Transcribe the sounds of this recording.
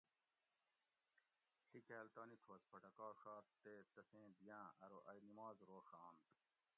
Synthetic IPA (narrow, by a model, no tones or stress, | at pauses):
ɬikeːlt̪aːnik̪ʰoːspɐʈɐkaːɾxaːɾt̪eːt̪ɐsẽːd̪ijãːʔɐɾoʔɐjnimaːzɾoːxaːn